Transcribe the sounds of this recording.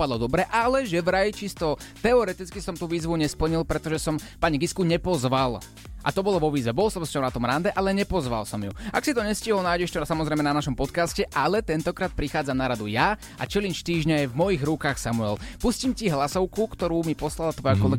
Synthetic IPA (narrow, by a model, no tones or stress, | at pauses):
pad̪lɔd̪ɔbɾɛʔalɛʒɛʋɾajt͡ʃist̪ɔt̪ɛɔɾɛt̪it͡skisɔmt̪uːʋiːzʋuɲɛspl̩ɲilˠpɾɛt̪ɔʒɛsɔmpaɲiɡiskuɲɛpɔzʋal | ʔa̰t̪ɔbɔlɔʋɔʋiːzʋɛbɔlsɔmscɔnat̪ɔmɾand̪ɛʔalɛɲɛpɔzʋa̰lsɔmjua̰ksit̪ɔɲɛsciɦɔlnaːjɟɛʃtɔsamɔzɾɛjmɛnanaʃɔmpɔt̪kascɛʔalɛt̪ɛnt̪ɔkɾaːt̪̚pɾixaːd͡zamnaɾad̪uja | ʔa̰t͡ʃɛlinʃt̪iːʒɲɛajvmɔjiɣɾukaːxsamuɛlpuscimciɦlasɔʊkukt̪ɔɾuːmipɔslalat̪ʋɔjakɔlɛɡ